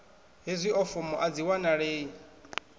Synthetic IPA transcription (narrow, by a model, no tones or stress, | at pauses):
ɦezʷiʔɔfɔmɔʔad͡ziwanaɺeːi